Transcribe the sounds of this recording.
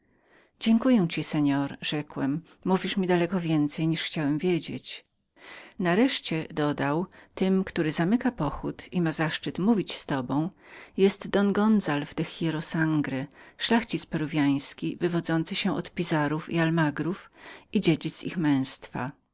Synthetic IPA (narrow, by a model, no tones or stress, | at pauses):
d͡ʑɛŋkujɛw̃t͡ɕisɛɲɔɾʐɛkwɛmː | uvʲiʂmʲid̪alɛkɔvʲjɛnt̪sɛjɲiʂxt͡ɕawɛmvʲjed͡ʑḛt͡ɕ | naɾɛʂt͡ɕɛd̪ɔd̪awt̪ɘmkt̪uɾɘzamɘkapɔxut̪ʰimazaʂt͡ʂɘt̪muvʲit͡ɕst̪ɔbɔ̃w̃jɛst̪d̪ɔnɡɔnzalvd̪ɛxʲjɛɾɔsaŋɡɾɛʂlaxt͡ɕit̪spɛɾuvʲjaj̃skʲivɘvɔd̪zɔnt̪sɘɕɛʔɔ̰t̪pʲizaɾufḭalmaɡɾufid͡ʑed͡ʑit̪sḭxmɛ̃w̃st̪fa̰